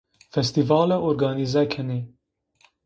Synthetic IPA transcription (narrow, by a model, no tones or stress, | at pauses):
fɛst̪ivɑːlɛʔoːɾɡɑːnizɛkʰɛne